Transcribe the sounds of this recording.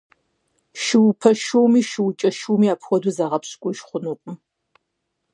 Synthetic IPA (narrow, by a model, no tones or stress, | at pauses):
ʃɪwpʰɐʃowmiːʃɪwt͡ʃʼɐʃuwmiːaːpʰxʷɔduzaʁɐpɕkʷʼʊʃχʷʊnuːpʷʼʊm